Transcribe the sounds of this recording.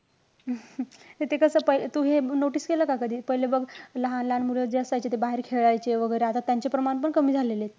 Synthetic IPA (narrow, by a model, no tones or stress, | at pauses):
t̪et̪ekəsəpəit̪uɦenoʈiːskeləkakəd̪ʱiːpəɦilebəɡləɦanlanmuled͡ʑeəsajt͡ɕet̪ebaɦeɾkʰeʋɭajt͡ɕeʋəɡəjɾeat̪at̪jaɲt͡ɕepɾəmaɳp̬əɳkəmiːd͡zʱalelet̪